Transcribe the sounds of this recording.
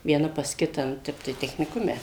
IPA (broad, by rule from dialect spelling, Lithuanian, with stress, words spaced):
ʋʲiɛˈnɐ pɐs ˈkʲɪtɑː nʊ ˈtʲɛp tɐɪ tʲɛxʲnʲɪˈkʊmʲɛ